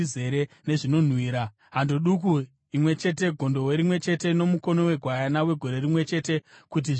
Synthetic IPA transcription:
ize̞ɾe | ne̞ʐino̞n̤wiːɾa | ɦandoɗuk̬u | imwe̞t͡ʃe̞te̞ɡʱo̞ndo̞weɾimwe̞t͡ʃe̞te̞no̞muko̞nowe̞ɡʱwajanawe̞ɡʱo̞ɾe̞rimwe̞t͡ʃe̞ːte̞kut̬iʐ

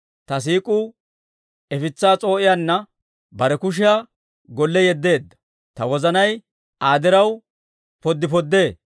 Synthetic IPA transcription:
t̪ɐs̬iːkʼʊ | ɛfɪt͡sːaːt͡sʼo̞ːʔɪjanːɐ | bɐɾɛkʊʃ̬ɪjaː | ɡɔlːɛjɛd̪ːe̞ːd̪ːɐ̥ | t̪ɐwɔzɐnɐj | ʔaːd̪ɪɾɐw | pɔd̪ːɪpɔd̪ːe̞ː

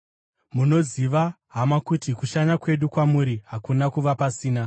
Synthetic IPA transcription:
muno̞ziʋa | ɦamwakutikuʃaɲakwe̞ɗukwamuɾiɦakunakuʋapasiːna

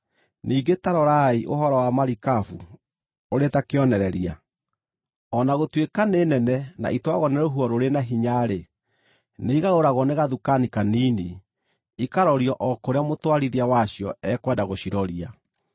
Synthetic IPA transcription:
nʔiːɡetaɾɔɾaiʔo̰ɦɔɾɔwamaɾikafu | oɾetakeɔnɛɾɛɾia | ɔnaɣotwekaneːnɛnɛna̰ʔitwaɣɔnɛɾoɦuɔɾoɾenaɦiɲaɾe | neiɣaɾoɾaɣɔneɣaðukanikanini | ikaɾɔɾiɔʔɔkoɾeamotwaɾiðiawaɕiɔɛkwɛdaɣoɕiɾɔɾia

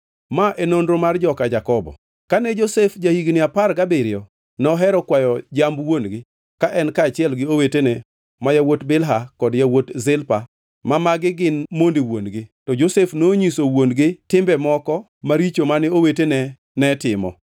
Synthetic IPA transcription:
maʔenonɾomard͡ʒɔkad͡ʒakɔbɔ̰ | kanɛd͡ʒosefd͡ʒahiɡnɪaparɡabeɾɪɔ | nɔɦɛɾɔkwajɔd͡ʒambwonɡɪ | kaʔɛnkaːt͡ʃɪɛlɡɪowetenɛ | majawotbɪlɦakɔdjawotzɪlpa | mamaɡɪɡɪnmondiwonɡɪtɔd͡ʒosefnoɲisowonɡɪtɪmbɛmɔkɔ | maɾit͡ʃomanɪowetenɛ | nɛtɪmɔ̰

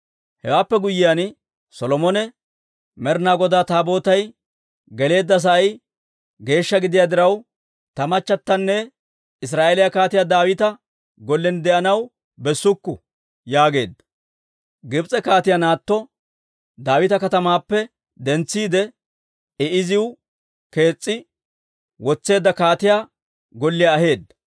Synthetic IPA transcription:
hɛwaːpːɛɡʊjːɪjan | sɔlɔmɔnɛ | mɛɾnaːɡɔd̪aːt̪aːbo̞ːt̪ɐj | ɡɛle̞ːd̪ːɐs̬ɐʔɐj | ɡe̞ːʃːɐɡɪd̪ɪjaːd̪ɪɾɐw | t̪ɐmɐt͡ʃːɐt̪ːɐnːɛ | ɪs̬ɾaːʔelɪjakaːt̪ɪjad̪aːwɪt̪ɐ | ɡɔlːɛnd̪ɛʔɐnɐw | bɛsːʊkːʊ | jaːɡe̞ːd̪ːɐ | ɡɪbt͡sʼɛkaːt̪ɪjanaːt̪ːɔ | d̪aːwɪt̪ɐkɐt̪ɐmaːpːɛ | d̪ɛnt͡sːiːd̪ɛ | ɪʔɪzɪw | ke̞ːt͡sʼːɪ | wɔt͡sːe̞ːd̪ːɐkaːt̪ɪjaː | ɡɔlːɪjaːhe̞ːd̪ːɐ̥

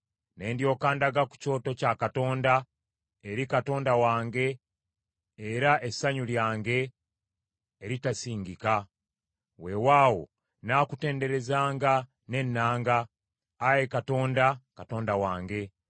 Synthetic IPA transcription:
ne̞ːndjo̞ːkaːndaɡaku̥co̞ːto̞cakato̞ːnda | eɾikato̞ːndawaːŋɡe̞ | ɾaʔesaɲuljaːŋɡe̞ | ɾitasiːɲɡika | we̞waːwo̞̰ | naːkute̞ːnde̞ɾe̞zaːŋɡa | ne̞nːaːŋɡaː | jekato̞ːndakato̞ːndawaːŋɡe̞

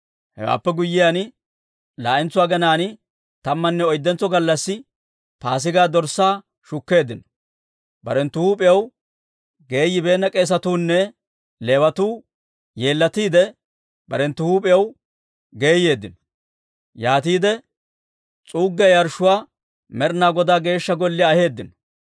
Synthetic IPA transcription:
hɛ̰wa̰ːpːɛɡʊjːɪjan | laːʔɪnt͡sːʊwaːɡɐnaːnɪ | t̪ɐmːɐnːɛɔjd̪ːɛnt͡sːɔɡɐlːɐsːɪ | paːs̬ɪɡaːd̪ɔɾsaː | ʃʊkːe̞ːd̪ːɪnɔ̥ | bɐ̰ɾɛnt̪ːʊhuːpʼɪjɐw | ɡe̞ːjːɪbe̞ːnːɐkʼe̞ːs̬ɐt̪uːnːɛ | leːwɐt̪uː | jeːlːɐt̪iːd̪ɛ | bɐɾɛnt̪ːʊhuːpʼɛjɐw | ɡe̞ːje̞ːd̪ːɪnɔ̥ | jaːt̪iːd̪ɛ | t͡sʼuːɡːɛjɐɾʃʊwaː | mɛɾnaːɡɔd̪aːɡe̞ːʃːɐɡɔlːɪɐhe̞ːd̪ːɪnɔ̥

